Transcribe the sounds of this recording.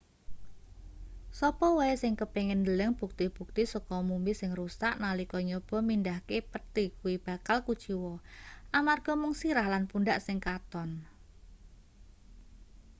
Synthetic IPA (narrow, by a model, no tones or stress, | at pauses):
sɔpɔwɔesɪŋkəpeŋɪnd̪ələŋb̥ṳk̚t̪ib̥ṳk̚t̪isɔkɔmumbisɪŋrusaʔnalikɔɲɔb̥ɔ̤mindahkepət̪ikuwib̥a̤kalkud̥ʒ̥i̤wɔʔamarɡ̥ɔ̤mʊŋsiɾahlanpunɖaʔsɪŋkat̪ɔn